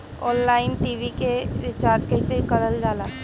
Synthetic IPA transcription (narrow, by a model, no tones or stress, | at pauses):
ɔːnlaːɪnʈiːʋikeɾɪt͡ʃaːɾd͡ʒkɐɦisekɐɾəld͡ʒaːlaː